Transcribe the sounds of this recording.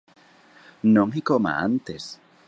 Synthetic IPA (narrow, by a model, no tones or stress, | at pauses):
nõŋikoma̰a̰nt̪es